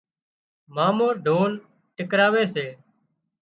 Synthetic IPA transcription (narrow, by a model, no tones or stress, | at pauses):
maːmoːɖʱoːn | ʈɪkɾaːʋeːseː